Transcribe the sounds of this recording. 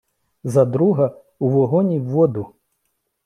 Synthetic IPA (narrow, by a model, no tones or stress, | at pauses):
zad̪ɾuɦɐ | uʋɔɦɔnʲiʋːɔd̪u